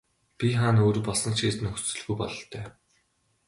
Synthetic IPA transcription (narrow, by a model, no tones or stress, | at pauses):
pʲiχaːnoːɾ̆pɔɮsə̆nt͡ɕiːsɘ̆nɵxt͡sɵ̆ɮɣujpɔ̰ɮɞ̆ɬt̪ʰœː